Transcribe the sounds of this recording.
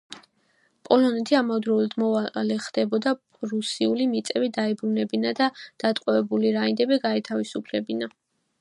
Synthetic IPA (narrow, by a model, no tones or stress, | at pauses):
pʼɔlɔnɛt̪ʰiamad̪ɾɔlad̪mɔvalɛχd̪̥ɛbɔd̪a | ɾusiulimit̪sʼɛbid̪aɛbɾunɛbinad̪ad̪̥at̪ʼqʼɔvɛbuliɾaind̪ɛbiɡaɛt̪ʰavisupʰlɛbina